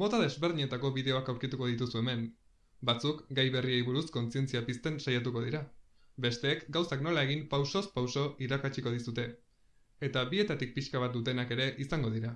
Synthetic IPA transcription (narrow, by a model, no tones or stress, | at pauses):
mo̞t̪aðe̞zβeɾðiɲe̞t̪ako̞βiðe̞o̞akawɾkit̪uko̞ðit̪usue̞me̞m | bat͡sukɡajβe̞rie̞jβuɾusko̞nt͡sie̞nt͡siapist̪e̞nsajat̪uko̞ð̞iɾa | be̞st̪e̞ːkɡawsakno̞lae̞ɣimpawso̞spawso̞iɾakat͡ʃiko̞ð̞isut̪e̞ː | t̪aβie̞t̪at̪ik̚piʃkaβat̪̚d̪ut̪e̞nake̞ɾe̞ʔisaŋɡo̞ðiɾa